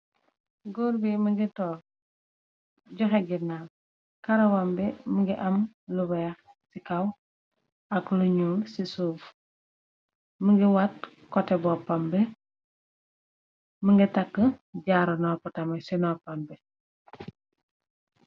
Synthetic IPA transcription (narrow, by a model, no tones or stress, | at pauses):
ɡuɾbiməŋɡitɔːl | ɟɔxɛɡinal | kɐɾɐwɐmbiməŋɡiʔɐm | luwɛːx | sikɐw | ɐkluɲuːlsisuːf | məŋɡiwat | kɔtɛbɔpambɛ | məŋɡitakːəɟaːɾɐnɔpɔtɐmɐsinɔpɐmbɛ